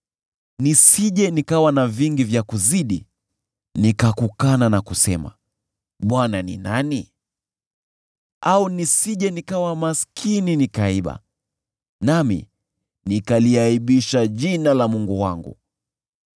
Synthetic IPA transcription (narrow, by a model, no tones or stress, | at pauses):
nisiʄɛnikawanaviŋɡivjakuziɗḭ | nikakukananakusɛ̰ma̰ | ɓwananḭnani | aunisiʄɛnikawamaskʰininikaiɓa̰ | namḭ | nikaliaiɓiʃaʄinalamuŋɡuwa̰ŋɡṵ